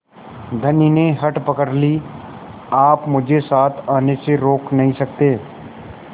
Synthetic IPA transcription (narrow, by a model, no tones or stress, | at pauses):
d̪ʱɐnineɦɐʈpəkəɾli | aːpmʊd͡ʒʱesaːt̪ʰaːneseɾoːknɐɦĩsɐk̚t̪eː